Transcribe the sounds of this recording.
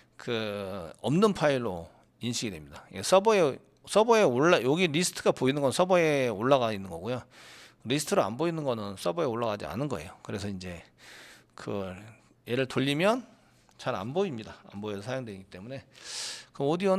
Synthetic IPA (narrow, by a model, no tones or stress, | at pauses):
kɯʌmnɯnpʰaiɭːo | inɕʰiɡidwe̞mɲidajes͈ʰʌbʌe | s͈ʰʌbʌe̞oɭːajoɡiɾisʰɯ̥tʰɯɡapoinɯnɡʌnsʰʌbʌeoɭːaɣainːɯnɡʌɡujo | ɾisʰɯ̥tʰɯɾoa̰nboinɯnɡʌnɯns͈ʰʌbʌe̞oɭːaɣad͡ʑia̰nɯnɡʌe̞̰jokɯɾe̞sʰʌind͡ʑe̞ | kɯ | je̞ɾɯɭtoʎːimjʌn | t͡ɕaɾa̰nboimɲidaa̰mboisʰajoŋdweiɡit͈e̞mune̞kɯʌdiʌ